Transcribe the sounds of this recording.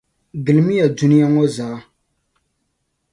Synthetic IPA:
ɡɨ˨lmi˦ja˨du˦ni˦ja˦ŋɔ˦zaː˨˦

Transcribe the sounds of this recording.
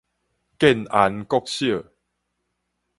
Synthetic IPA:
ke˥˦˨na˨˦nkɔ˥˦˧k̚ɕjə˥˨

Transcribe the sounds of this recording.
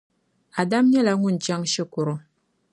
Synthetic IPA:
a˨da˦m˦ɲɛ˦la˨ŋʊ˦˨n̩˨t͡ʃa˦ŋʃɛ˦kʊ˨ɾo˦

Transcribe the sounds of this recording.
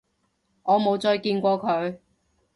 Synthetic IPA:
ŋɔː˨˧mo˨˧wt͡sɔː˧jkiː˧nkʷɔː˧kʰɵ˨˧ɥ

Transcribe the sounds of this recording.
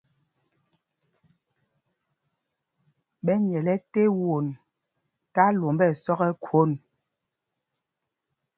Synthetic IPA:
ɓɛ˦ɲɛ˨lɛ˦te˦wo˨n | ta˦lo˨mbɛ˦˨sɔ˦ɣɛ˦kʰwo˦˨n

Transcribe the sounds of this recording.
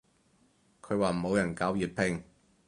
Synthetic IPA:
kʰɵ˨˧ɥwaː˨mo˨˧wjɐ˨˩nkaː˨˥wjiː˨˩t̚pʰɪ˧ŋ

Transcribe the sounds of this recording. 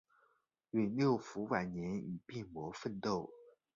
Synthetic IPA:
ɥɛ˨˩ljo˥˩ʊfu˧˥wa˨˩ɪnjɛ˧˥ni˨˩pi˥˩ŋmwɔ˧˥fə˥˧nt̪o˥˩ʊ

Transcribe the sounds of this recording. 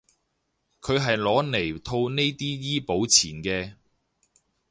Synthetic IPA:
kʰɵ˨˧ɥɦɐ˨jlɔː˨˥ne˨˩jt̪ʰo˧wne˥jt̪iː˥jiː˥po˨˥wt͡sʰiː˨˩nkɛː˧

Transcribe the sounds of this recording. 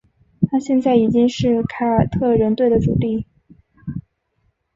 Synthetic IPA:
t̪ʰa˥ɕjɛ˥˧nt͡sa˥˩ɪi˨˩t͡ɕi˥ŋʂɻ̩˥˩kʰa˥˩t̪ʰɤ˥˩ɻə˧˥nt̪we˥˩ɪd̪ə˩ʈ͡ʂu˨˩li˥˩

